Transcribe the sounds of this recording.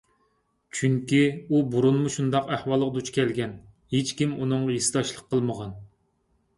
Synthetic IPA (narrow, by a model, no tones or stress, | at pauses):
t͡ʃʰyŋkʲiubuɾunmuʃund̪ɑqæhwɑlˠəqd̪ut͡ʃʰkʲɛlɡʲɛn | het͡ʃkʲimunɨŋjisɨd̪ɑʃlˠəqʰːəlˠməʁɑn